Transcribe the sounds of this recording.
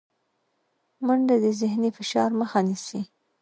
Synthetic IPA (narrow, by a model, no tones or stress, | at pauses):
məɳd̪ad̪əzɪhnifɪʃɑɾməxanisi